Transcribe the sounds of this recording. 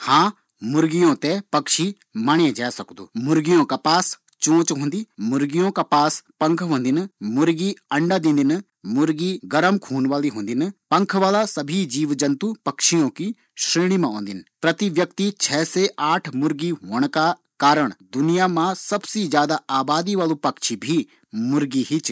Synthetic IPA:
hãː | mʊɾɡijõt̪epɐkʃi | maːɽ̃ẽd͡ʒaːsɐkd̪ṵːmʊɾɡijõkapaːs | t͡ʃõːt͡ʃɦõːnd̪iːmʊɾɡijõkapaːspɐ̃ŋkʰɦõːnd̪ɪnmʊɾɡiɐ̃ɳɖad̪ɪ̃ːnd̪ɪn | mʊɾɡiɡɐɾəmkʰuːnʋaːliɦõːnd̪ɪnpɐ̃ŋkʰʋaːlasɐbʱid͡ʒiːʋd͡ʒɐ̃nt̪upɐkʃijõki | ʃɾeːɽ̃imãɦõːnd̪ɪnpɾɐt̪iʋjɐkt̪it͡ʃʰɛːseʔaːʈʰmʊɾɡiɦoːəɽ̃ka | kaːɾəɽ̃d̪ʊnijamãsɐbsid͡ʒjaːd̪aaːbaːd̪iʋaːlũpɐkʃʰibʱi | mʊɾɡiɦit͡ʃ

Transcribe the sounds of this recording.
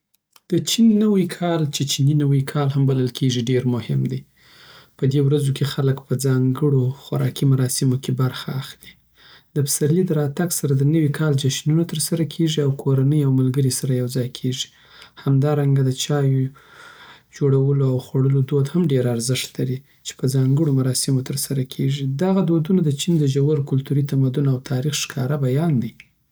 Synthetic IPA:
d̪̥ət͡ʃinːəwikʰɑlt͡ʃet͡ʃininəwikʰɑlhambaləlkʰeʐiɖeɾmʊhɪmd̪e | pəd̪ewɾazokʰexaləkpəd͡zɑŋɡəɽoxʊɾɑ̰kimaɾɑsɪmokebaɾxaːxli | d̪̥əbsaɾlid̪əɾɑt̪aɡsaɾad̪ənəwikʰɑld͡ʒaʃnunat̪əɾsaɾakʰeʐiawkʰoɾanəjawmalɡəɾisaɾajawzɑjkʰeʐi̥ | hamd̪ɑɾaŋɡad̪ət͡ʃɑjo | d͡ʒoɽawəloawxwaɽəlod̪od̪hamɖeɾaɾzɪʂt̪laɾi | t͡ʃe̥pəzɑŋɡəɽomaɾɑsɪmot̪əɾsaɾakʰeʐid̪aɣad̪od̪unod̪ət͡ʃind̪əʒawaɾkʊlt̪uɾit̪amad̪unawt̪ʰɑɾixʃkʰɑɾabajɑnd̪i

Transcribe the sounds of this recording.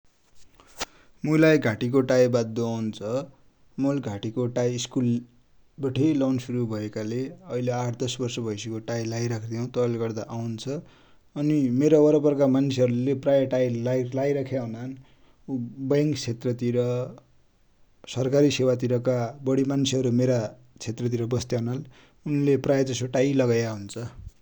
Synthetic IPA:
mulajɡʱaʈik̬oʈajbad̪ːoawnt͡sʰʌ | molɡʱaʈikoʈajːskul | bʌʈʰejlawnsuɾubʱʌekaleʌileaʈʰd̪ʌsbʌrsʌbʱʌjsekoʈajlajɾakʰd̪ijʌw̃t̪ʌʌlɡʌrd̪aʔawnt͡sʰʌ | ʌnimeɾowʌɾʌpʌrkamansʰeʌɾuleprajʌʈajlailajɾakʰjaɦunan | ubajŋkt͡sʰet̪rʌt̪iɾʌ | sʌrkaɾisewat̪̬iɾʌkabʌɽimansʰeɦʌɾumeɾa | t͡sʰet̪rʌt̪̬iɾʌbʌst̪jaɦunal | unleprajʌd͡zʌsoʈajlʌɡajaɦunt͡sʰʌ

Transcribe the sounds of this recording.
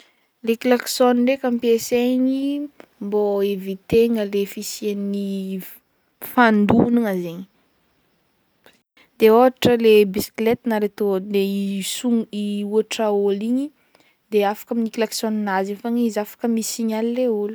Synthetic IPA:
leklaksoniɳrɖ͡ʐekampieseɲimboevit̪eŋəlefisienni | fand̪uniŋazeɲi | d̪̥eoɦaʈ͡ʂəlebisi̥klet̪naɾet̪oleisuŋiuaʈ͡ʂaoliɲi | d̪eafḁkaminikilaksɔninazinfaŋizafḁkəmisiɲalileulu

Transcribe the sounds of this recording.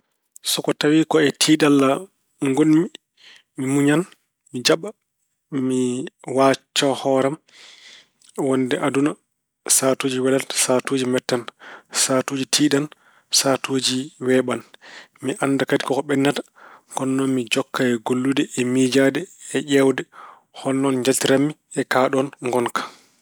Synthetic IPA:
sɔkɔtawikɔɛtʰiːɗalːa | ŋɡonmi | mimuɲan | mid͡ʒaɓa | miwat͡ʃːɔhɔːɾam | wɔndɛʔaduna | saːtoːd͡ʒiwɛlasatoːd͡ʒimɛtːansatoːd͡ʒitʰiːɗan | saːtoːd͡ʒiwɛːɓanmiʔanːdakadi̥kɔkɔɓɛnːatḁ | kɔnːɔnmid͡ʒɔkːaɛɡolːudɛʔɛmid͡ʒaːdɛɛʔɛwdɛ | hɔnːɔnɲd͡ʒatiɾamːi | ɛkaːɗɔnŋɡɔnkḁ

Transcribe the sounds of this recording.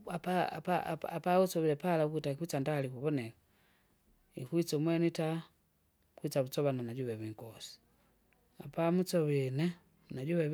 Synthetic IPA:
apapa̰apausɔβilɛpalauk̬utaikuit͡sandalikuβɔnɛka | ikuit͡sɔmwɛnita | kuit͡saβut͡sɔβananaɟuβɛβiŋkɔsi̥ | apamut͡sɔβinɛ | naɟuβɛ

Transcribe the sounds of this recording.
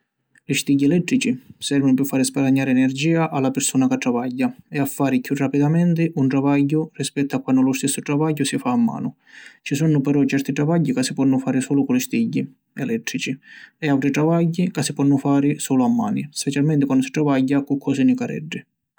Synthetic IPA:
lɪst̪iɟːiɛlɛt̪ːɾit͡ʃisɛrvanʊpɪɾfːaːɾɪspaɾaɲːaːɾɪɛnɛrd͡ʒiːaʔalːapɪɾsuːnakat̪ːɾavajːaɛafːaːɾɪkjurːapid̪amɛnt̪ɪʔunʈ̪ɾavaɟːʊrispɛt̪ːʊakːwanːʊlʊst̪ɛsːʊʈ̪ɾavaɟːʊsifaːmːa̰ːnʊ | t͡ʃisunʊpɛɾɔt͡ʃɛɾt̪iʈ̪ɾavaɟːikasːipɔnːʊfaːɾɪsɔːlʊkʊlɪst̪iɟːi | ɛlɛt̪ːɾit͡ʃiɛawʈɾiʈ̪ɾavaɟːikasːipɔnːʊfaːɾɪsɔːlʊamːa̰ːnispɛt͡ʃalmɛnt̪ɪkwanːd̪ʊsi̥ʈ̪ɾavaɟːakʊkʰːɔsinɪkaɾɛ̰ɖːɪ

